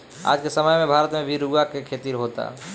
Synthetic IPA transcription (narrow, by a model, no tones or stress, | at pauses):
a̰ːd͡ʒkesəməjmẽbʱaːɾət̪mẽbʱiɾuɡakekʰeːt̪iɾɦoːt̪a̰